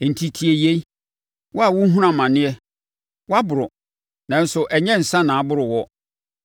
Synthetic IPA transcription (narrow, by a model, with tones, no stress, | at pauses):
n̩˨tʰi˦tʰi˨e˨je˦ | wɔ˦a˨wʊ˦ɦũ˦ɾã˨mã˨nɪ̃˦ɛ˦ | wɔ˦a˦bʊ˨ɾʊ˨ | nã˨n̩˦sʊ˨ʔɛ˨ɲɛ̃˦n̩˨sã˦nã˨a˨bʊ˦ɾʊ˨wɔ˦